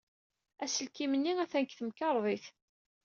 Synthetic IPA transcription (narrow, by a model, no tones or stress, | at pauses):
æsəlkimənːiæθænkθəmkɑɾˤðˤiθ